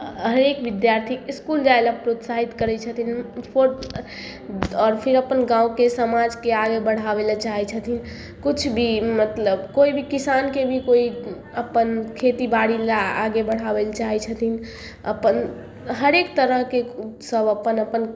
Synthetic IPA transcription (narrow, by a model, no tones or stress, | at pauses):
ɦəɾekʋid̪jaɾt̪ʰikiskuld͡ʒaelapɾot̪saɦit̪kəɾɛt͡ʃʰət̪ʰinpʰoɾ | ɔːɾpʰiɾəpənɡãũkesəmad͡ʒkeaɡebəɽ̤abelat͡ʃaɦɛt͡ʃʰət̪ʰin | kut͡ʃʰbʱimət̪ləbkoibʱikisankebʱikoi | əpənkʰet̪ibaɽilaaɡebəɽ̤abelt͡ʃaɦɛt͡ʃʰət̪ʰin | ə̰pən | ɦəɾekt̪əɾəɦkesəbəpənəpən